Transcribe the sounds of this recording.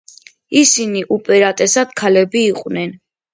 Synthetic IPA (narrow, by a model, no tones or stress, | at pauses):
isiniʔupʼɛɾat̪ʼɛsad̪̥kʰalɛbiːqʼwnɛn